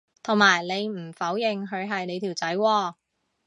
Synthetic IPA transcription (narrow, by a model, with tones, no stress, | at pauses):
t̪ʰʊ˨˩ŋmaː˨˩jle˨˧jm̩˨˩fɐ˨˥wjɪ˨ŋɦɵ˨˧ɥɦɐ˨jne˨˧jt̪ʰiː˨˩wt͡sɐ˨˥jwɔː˧